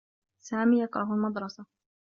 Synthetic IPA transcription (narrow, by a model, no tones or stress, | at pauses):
saːmiːjɑkɾˤɑɦalmɑd̪ˤɾˤɑsa